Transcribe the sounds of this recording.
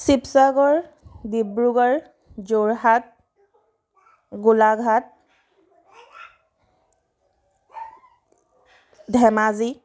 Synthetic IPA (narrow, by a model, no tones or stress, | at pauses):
sipsaɡɔɹ | dibɹuɡɔɹ | zoɹɦat̚ | ɡulaɡʱat̚ | dʱɛmazi